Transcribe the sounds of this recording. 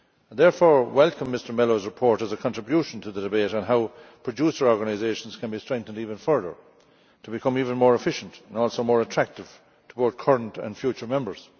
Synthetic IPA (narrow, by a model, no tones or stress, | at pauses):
ðɛɹfɔːɹwɛlˠkə̃mːɪstə˞mɛloʊzɹɪpʰɔɹɾəzəkʰɑ̃ntɹ̥ɪbjuʃə̃n̩tʰəðədɪbeɪɾə̃nɦaʊpʰɹ̥ɨdusə˞ɔɹɡənaɪzeɪʃə̃n̩z̥kʰə̃nbistɹ̥ɛ̃ŋk̚θə̃ndiːvə̃nfɜ˞ðə̰˞ | tʰəbɪkʰʌ̃miːvə̃nmɔːɹɪfɪʃə̃ntə̃nɔːlˠsoʊmɔːɹətʰɹ̥æk̚tɪv̥ | tʰəboʊθkʰʌ˞ə̃ntə̰̃nfjut͡ʃə˞mɛ̃mbə˞z̥